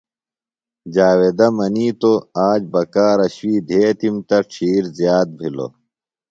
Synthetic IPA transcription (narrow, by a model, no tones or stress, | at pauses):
d͡ʑaːwed̪ɐmɐniːt̪oaːd͡ʑbɐkaːɾɐɕwiːd̪ʱeːt̪imt̪ɐʈ͡ʂʰiːɾzjaːt̪̚bʱilo̰